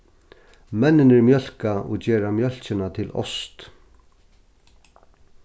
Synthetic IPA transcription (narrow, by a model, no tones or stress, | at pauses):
mɛnːɪnɪɾmjœl̥kaɔ̰ɣd͡ʑeːɾamjœl̥t͡ɕɪnat̪ʰɪlɔ̰st̪